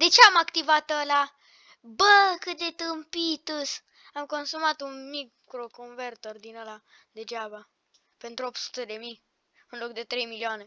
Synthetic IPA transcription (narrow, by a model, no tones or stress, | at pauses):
d̪e̞t͡ʃeamakt̪ivat̪əla | bəkɨt̪̚d̪e̞t̪ɨmpit̪us | amko̞nsumat̪unmikː | ɾokonvert̪ord̪inəlad̪e̞d͡ʒaba | pe̞nt̪ɾuop̚t̪su̥t̪e̞d̪e̞mi | ɨnlo̞k̚d̪e̞t̪ɾe̞jmilioane̞